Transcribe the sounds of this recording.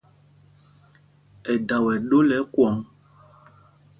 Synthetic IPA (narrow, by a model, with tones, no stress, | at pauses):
ɛ˨da˨wɛ˨ɗo˦lɛ˨˦kwɔ˨˦ŋ